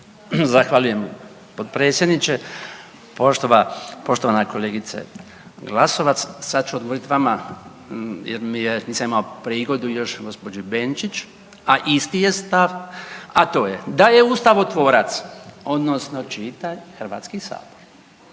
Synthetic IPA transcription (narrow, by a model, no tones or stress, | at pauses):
zaxʋaʎuje̞m | pod̪̚pɾe̞ːt̪sjed̪nit͡ʃe | poʃt̪oʋapo̞ʃt̪oʋanako̞leːɡit̪sḛ | ɡlaso̞ʋat̪ssad̪t͡ʃuod̪ɡooɾit̪ʋama | jḛɾmieniːsamimaopɾiːɡo̞d̪ujo̞ʃɡo̞spo̞d͡ʒibent͡ʃit͡ʃ | aʔist̪ije̞st̪aʋat̪o̞ːjed̪aje̞uːst̪aʋot̪ʋo̞ːɾat̪so̞d̪nosno̞t͡ʃiːt̪aɲxr̩ʋa̰t̪skisa̰ːboɾ